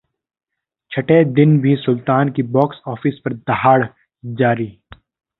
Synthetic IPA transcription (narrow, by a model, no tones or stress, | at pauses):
t͡ʃʰɐʈed̪ɪnbʱisʊlt̪aːnkibɔːksɔːfɪspɐɾd̪ɐɦaːɽ | d͡ʒaːɾiː